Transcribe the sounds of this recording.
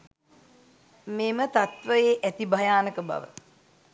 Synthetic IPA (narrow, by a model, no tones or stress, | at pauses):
meːmət̪at̪ʋəjeːʔæt̪ibajaːnəkəba̰ʋə̰